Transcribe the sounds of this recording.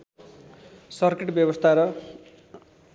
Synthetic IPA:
sʌrkeʈbjʌbʌst̪ʰaɾʌ

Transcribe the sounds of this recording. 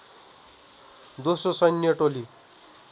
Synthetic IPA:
d̪osrosʌjnjʌʈoli

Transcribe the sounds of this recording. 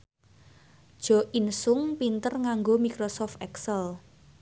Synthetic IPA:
d̥ʒ̥ɔ̤ʔinsʊŋpint̪ərŋaŋɡomikɾosɔft̪ɛksəl

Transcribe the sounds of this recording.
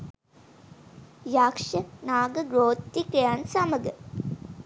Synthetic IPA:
jakʂənaːɡəɡɾoːt̪ːikejansaməɡə

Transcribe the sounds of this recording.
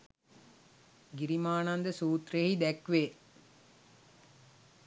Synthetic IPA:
ɡiɾimaːnand̪əsuːt̪ɾehid̪ækʋeː

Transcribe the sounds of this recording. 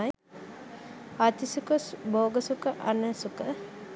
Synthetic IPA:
at̪isukəsboːɡəsukəʔanəsukə

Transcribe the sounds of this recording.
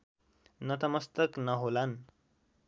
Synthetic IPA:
nʌt̪ʌmʌst̪ʌknʌɦolan

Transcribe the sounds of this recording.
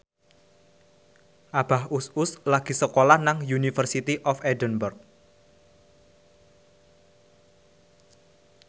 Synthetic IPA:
ʔab̥ahusʊslaɡ̥i̤səkolahnaŋjunifərsit̪iʔɔfɛdənbərk̚

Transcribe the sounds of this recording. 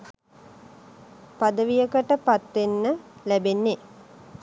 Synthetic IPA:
pad̪əʋijəkəʈəpat̪ʋenːəlæbenːe

